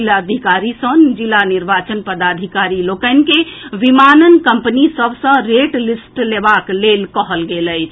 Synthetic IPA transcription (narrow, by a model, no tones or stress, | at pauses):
ilad̪ʱikaɾisə̃nd͡ʒilaniɾbat͡ʃənpəd̪ad̪ʱikaɾilokənkeʋimanənkəmpənisəbʱsə̃ɾeʈlisʈlebaklelkəɦəlɡeləjt͡ʃʰ